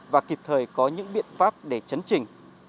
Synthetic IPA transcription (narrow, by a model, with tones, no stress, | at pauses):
vaː˨˩ki˨˩p̚t̪ʰəː˨˩jkɔ˨˦ɲɨ̰˧˥ŋɓḭ˧˨ənfaː˦˥p̚ɗe˧˩t͡ɕə˨˦nt͡ɕï˨˩ŋ̟